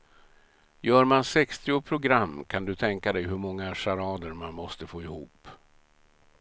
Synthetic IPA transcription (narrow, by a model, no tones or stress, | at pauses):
jœːɾmansɛkst̪ɪʊpʰɾʊɡɾamːkʰand̪ɵt̪ʰɛŋkad̪ɛjɦɵɾmɔŋːaʂaɾɑːd̪əɾmanmɔst̪əfoːɪhuːp